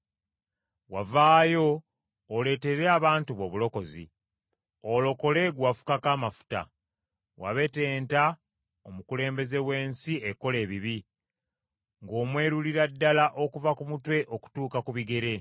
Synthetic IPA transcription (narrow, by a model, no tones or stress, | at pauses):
wavaːjo̞ː | le̞te̞ɾeaβaːntuβo̞βulo̞ko̞zḭ | olo̞ko̞le̞ɡwafu̥kakaːmafu̥ta̰ | wa̰βe̞te̞ːnta | omukule̞ːmbe̞ze̞we̞ːnsieko̞le̞ːβiβi | ŋɡo̞ːmwe̞ːɾuliɾadːalaʔo̞kuvakumutwe̞ʔo̞ku̥tuːkakuβiɡe̞ɾe̞